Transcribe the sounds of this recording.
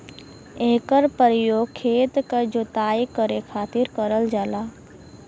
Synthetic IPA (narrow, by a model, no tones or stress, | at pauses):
eːkəɾpəɾjoːɡkʰːeːt̪kad͡ʒot̪aːjkəɾekʰaːt̪ɪɾkəɾəld͡ʒaːlaː